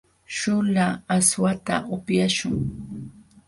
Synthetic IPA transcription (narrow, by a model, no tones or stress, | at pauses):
ʃʊlaːswat̪a̰ʔʊpjaʃʊŋ